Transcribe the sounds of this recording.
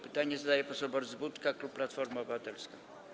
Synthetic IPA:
pɘ̥t̪aɲɛzad̪ajɛpɔsɔbɔɾzbut̪kakluppːlat̪fɔɾmaɔbɘvat̪ɛlska

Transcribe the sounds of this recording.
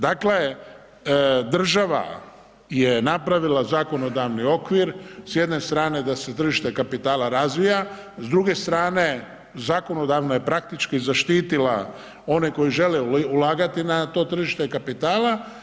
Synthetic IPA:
d̪akle | d̪r̩ʒaʋa̰ | jenapɾaʋilazaːko̞no̞d̪aʋnio̞kʋiɾsje̞d̪ne̞st̪ɾaːne̞d̪ase̞t̪r̩ʒiʃt̪e̞kapit̪aːlaɾazʋija | zd̪ɾuɡe̞st̪ɾaːne̞ | zaːko̞no̞d̪aʋnaje̞pɾak̚t̪it͡ʃkizaʃt̪iːt̪ila | o̞neko̞jiʒe̞leulaːɡat̪inat̪o̞ːt̪r̩ʒiʃt̪ekapit̪aːlˠa

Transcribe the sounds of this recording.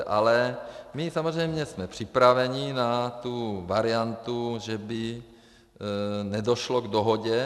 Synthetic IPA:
ʔalɛmɪsamozr̝ɛjmɲɛsmɛpr̥ɪpɾavɛɲinat̪uvaɾɪjant̪uʒɛbɪ | nɛdoʃloɡdoɦoɟɛ

